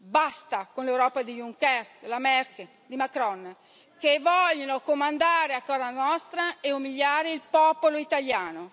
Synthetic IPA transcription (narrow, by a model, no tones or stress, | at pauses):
bast̪akonlewɾɔːpad̪ijuŋkɛrd̪elamɛrk | d̪imakɾɔn | kevɔʎːonokomand̪aːɾeakːɔːzanɔst̪ɾaeumiʎːaːɾeilpɔːpoloit̪aljaːno